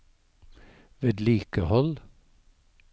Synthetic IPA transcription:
ʋeːd̪liːkəhɔl

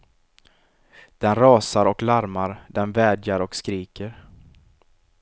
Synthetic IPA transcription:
d̪̥ɛnɾɑːsaɾɔklaɾmaɾd̪ɛnvɛːd̪jaɾɔkskɾiːkəɾ

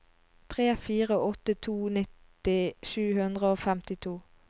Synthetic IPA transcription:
t̪ʰʁeːfiːʁəʔɔt̪ət̪ʰuːnɪt̪ | ɪʃʉːhʉnd̪ʁəoːfɛmt̪ɪt̪ʰuː

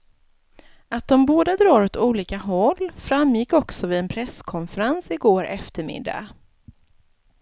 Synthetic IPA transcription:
at̪̚d̪ɔmboːd̪ad̪ɾɑːɾɔt̪uːliːkaɦɔlːfɾamːjɪkːɔksɔvɪɛnpʰɾɛskʰɔnfəɾansɪɡoːɾʔɛft̪əɾmɪ̰d̪ːa̰

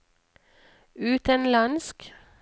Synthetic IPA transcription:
ʉːt̪ənlɑnsk

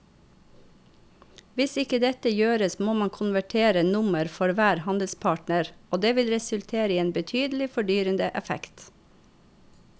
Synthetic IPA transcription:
ʋɪsɪkəd̪ɛt̪əjøːɾəsmoːmɑŋkʰʊnʋæʈʰeːɾənʊməɾfɔɾʋæːɾhɑnd̪əl̩spʰɑːʈnəɾoːd̪eːʋɪlɾɛsʉlt̪ʰeːɾəiːeːnbət̪ʰyːd̪l̩ɪfɔɖyːɾənd̪əʔɛfɛ̰kt̪

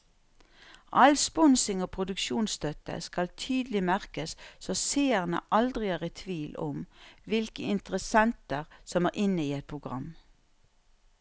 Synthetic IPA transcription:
ʔɑlspɔnsɪŋoːpʰʁʊd̪ʉkʃuːnst̪œt̪ə̰skɑlt̪ʰyːd̪lɪmæʁkəssɔseːəʁnə̰ʔɑld̪ʁɪæːʁɛt̪ʰʋiːlʔɔmʋɪlkəɪnt̪əʁəsɛnt̪əʁsɔmæːʁʔɪnəiːɛt̪̚pʰʁʊɡʁɑ̰m

